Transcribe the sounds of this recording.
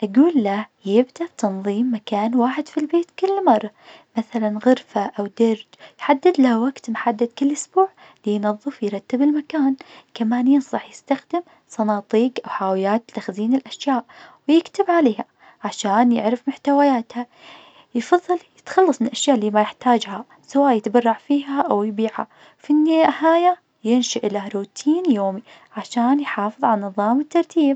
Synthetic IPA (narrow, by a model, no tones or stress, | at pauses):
ʔaɡuːlːajɪbd̪abt̪ɑnðˤiːmːakaːnwaːħɪd̪filbeːt̪kɪlːmɑrˤːɑmaθalanɣʊɾfaʔawd̪ɑɾd͡ʒjħad̪ːɪd̪lawaɡt̪mħad̪ːɪd̪kɪlːʔʊsbuːʕ | lijnɑðˤːɨfjɾˤɑt̪ːɪbɪlmakaːnkamaːnjɪnsˤɑħjɪst̪axd̪ɪm | sˤɑnɑːt̪ˤiːɡʔawħaːwɪjaːt̪t̪ːaxziːnɪlʔaʃjaːʔwjɪkt̪ɪbʕaleːha | ʕaʃaːnjɪ̰ʕɾɪfmʊħt̪awajaːt̪ha | jfɑðˤːɑljɪt̪xɑlːɑsˤmɪnlʔaʃjaːʔlːiːmajɪħt̪aːd͡ʒha | sawaːʔjɪt̪bɑrˤːɑʕfiːɦaʔawjbiːʕa̰ | finːeahaːja | jɪnʃaʔɪlaɾuːt̪ʰiːnjoːmi | ʕaʃaːnjħɑːfɨðˤʕalnːɨðˤɑːmɪt̪ːɑɾˤt̪ʰiːb̚